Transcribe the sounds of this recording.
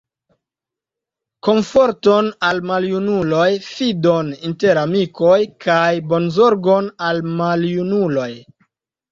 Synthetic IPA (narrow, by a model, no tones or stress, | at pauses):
ko̞ɱfoɾtonalmaljunulo̞jfidoninte̞ɾamikojkʰajbo̞nzo̞ɾɡonalmaljunulo̞j